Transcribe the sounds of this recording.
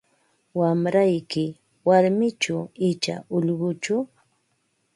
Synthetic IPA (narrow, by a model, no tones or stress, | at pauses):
wamɾajkɪ | waɾmɪt͡ʃaɪt͡ʃa̰ʊʎɢʊt͡ʃʊ